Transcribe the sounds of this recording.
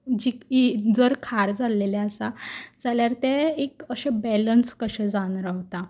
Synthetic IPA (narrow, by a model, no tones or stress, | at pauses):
d͡ʑikid͡zəɾkʰaɾd͡zaleleasad͡zaljaɾt̪ɛekəɕabɛlənskəɕɛd͡zanɾaʋt̪a